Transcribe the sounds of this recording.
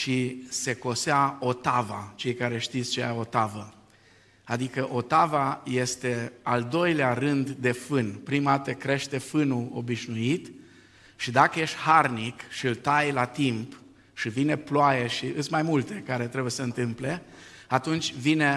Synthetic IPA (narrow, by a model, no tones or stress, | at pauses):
ʃise̞ko̞seao̞t̪avat͡ʃe̞jkaɾe̞ʃt̪it̪sʲt͡ʃeja̰o̞t̪avə | ad̪ikəʔo̞t̪avaje̞st̪e̞ald̪o̞jlearɨnd̪ːe̞fɨnpɾimat̪ekɾe̞ʃt̪e̞fɨnuo̰biʃnuit̪ | ʃid̪akəje̞ʃt̪ʲharnikʃiɨlt̪ajlat̪imp | ʃivine̞ploajeʃiʔɨsmajmult̪e̞kaɾe̞t̪ɾe̞bujesəɨnt̪ɨmple̞ | at̪unt͡ʃʲvine̞